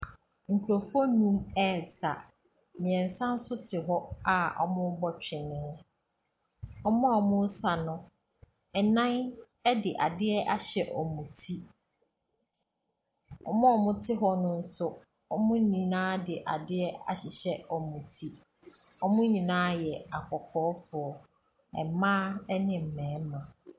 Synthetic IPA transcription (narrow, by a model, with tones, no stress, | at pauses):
ŋ̩˨kʰu˨ɾo˨fɔ˦nũ˦mɛ˦˨sa̰˨ | mɪ̃˨ɛ̃˨n̩˨sã˦n̩˦sʊ˦tʰɪ˨ɦɔ˦a˨ɔ̰˨mʊ̃˦bɔ˨t͡ɕᶣɪ˨nɪ̃˨˦ | ɔ˦mɔ̃˦ɔ˨mʊ̃˦n̩˦sa˨nʊ̃˦ | ɛ˨nã˦n | ɛ˦dɪ˨ʔa̰˨dɪ˦ɛ˦ʔa˦ɕɛ˨ʔɔ˨mũ˨tʰi˦ | ɔ˨mɔ̃˦ɔ˨mʊ̃˦tʰɪ˦ɦɔ˦nʊ̃˦n̩˦sʊ˦ | ɔ˦mʊ̃˦nĩ˨nãː˦dɪ˨ʔa˨dɪ˦ɛ˦a̰˨ɕɪ˨ɕɛ˦ɔ˨mũ˨tʰi˦ | ɔ˦mʊ̃˦ɲĩ˨nãː˦jɛ˨a˨kʰɔ˨kʰɔː˨˦fʊ˨ɔ˨ | ɛ̰˨mãː˦ɛ˦nɪ̃˨m̩˨mɛ̃ː˨˦mã˨